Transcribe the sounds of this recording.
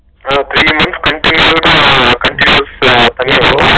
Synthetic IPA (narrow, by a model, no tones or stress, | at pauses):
t̪ʰɾiːmɐ̃nt̪skɐ̃ɳʈinjjuːɖkɐ̃ɳʈinjuːst̪ɐnijo